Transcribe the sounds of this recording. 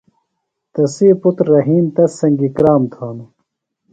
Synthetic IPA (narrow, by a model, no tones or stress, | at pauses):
t̪ɐsiːput̪ɾːɐɦiːnt̪ɐsːɐŋɡikɾaːmt̪ʰaːnu